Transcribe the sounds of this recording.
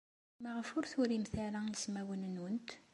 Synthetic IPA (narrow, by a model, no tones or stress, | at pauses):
məʁəfʊɾθʊɾimθæɾæəsmæwənənwənt̪